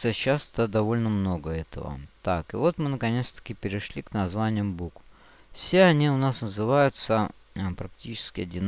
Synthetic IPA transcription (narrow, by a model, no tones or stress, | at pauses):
əɕast̪əd̪ɐvo̞lʲnəmno̞ɡəɛt̪ə̰və̰t̪akɨvo̞t̪mɨnəkɐnʲe̞t̪st̪ə̥kʲipʲɪɾʲɪʂlʲiknɐzvanʲɪjʊmbuk | fsʲe̞ɐnʲiʊnasnəzɨvajʊt̪sə | pɾɐk̚tʲit͡ɕɪ̥skʲɪɐdʲɪn